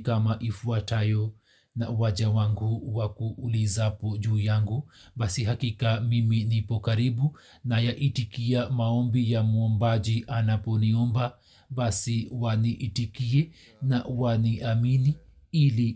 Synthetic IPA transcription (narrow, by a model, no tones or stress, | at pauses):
kamaʔifuatajɔ | na̰uwaʄawaŋɡuwakuʔːlizapɔʄuːjaŋɡubasiɦakikamiminipɔkaɾiɓu | najaʔitikiamaɔmbijamuɔmbaʄiʔanapɔniɔmba | ɓasiwaniʔitikiɛ | na̰waniʔamini | ili